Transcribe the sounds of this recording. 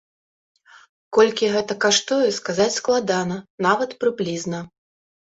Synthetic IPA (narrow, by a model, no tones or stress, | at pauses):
kɔlʲkʲiɣɛt̪ɐkaʂt̪ɔjɛskazat͡sʲsklˠad̪anɐnavɐt̪pɾɨblʲiznɐ